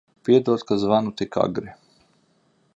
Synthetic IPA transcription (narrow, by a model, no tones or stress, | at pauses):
pied̪oːt̪kazʋanut̪ika̰ɡɾi